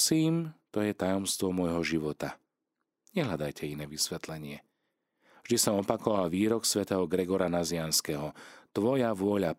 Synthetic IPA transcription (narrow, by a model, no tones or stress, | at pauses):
siːmt̪ɔjɛt̪ajɔmst̪ʋɔmɔjɦɔʒiʋɔt̪a | ɲɛɦʎad̪ajcʰɛinɛːʋisʋɛt̪lɛɲɪɛ | vʒd̪isɔmɔpakɔʋalʋiːɾɔksʋɛt̪ɛɦɔɡɾɛɡɔɾanazɪanskɛɦɔt̪ʋɔjaʋʊɔʎa